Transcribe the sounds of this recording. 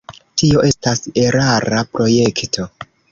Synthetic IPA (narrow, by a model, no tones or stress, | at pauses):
tio̞ʔe̞stase̞ɾaɾapɾo̞je̞ktʰo̞